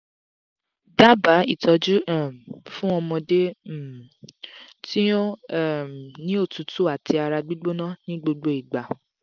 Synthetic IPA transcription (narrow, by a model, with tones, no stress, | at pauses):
da˦ba˨˦i˦˨tɔ˨˧d͡ʒu˦ã˦˨fũ˦ɔ˧mɔ̃˧de˦˨ | ti˦o˦˨ | nĩ˦o˦˨tu˨˦tu˦a˦˨ti˧a˧ɾa˧ɡ͡bi˦ɡ͡bo˦nã˦nĩ˦ɡ͡bo˧ɡ͡bo˧˦i˨ɡ͡ba˨